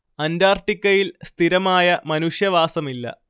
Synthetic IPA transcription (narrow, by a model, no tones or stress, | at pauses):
ɐndaːrʈːikʲːɐjilst̪ʰiɾɐmaːjɐmɐnuʂjɐʋaːsɐmilːɐ̰